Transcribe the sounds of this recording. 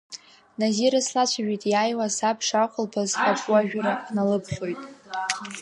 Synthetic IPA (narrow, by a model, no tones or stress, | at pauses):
naziɾaslat͡ʃʷʰaʒᶣitʼjaːjwasapʰʂaχʷʊlpʰazħapʼwaʒᶣaɾanalɨpʰχʲo̞jtʼ